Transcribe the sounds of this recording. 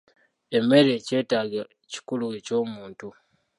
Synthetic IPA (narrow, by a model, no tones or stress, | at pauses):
e̞me̞ɾe̞ce̞ːtaːɡa | ci̥kulueco̞ːmuːntu